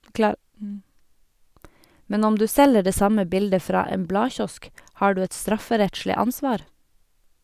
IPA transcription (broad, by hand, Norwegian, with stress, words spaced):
ˈmɛn ˈɔm ˈdʉː ˈsɛlə ˈɖeː ˈsɑmə ˈbɪldə ˈfɾɑː ˈeːm ˈblɑːˌçɔsk ˈhɑː ˈɖʉː ˈɛt ˈstɾɑfəˌɾɛtʃlɪ ˈɑnˌsʋɑːɾ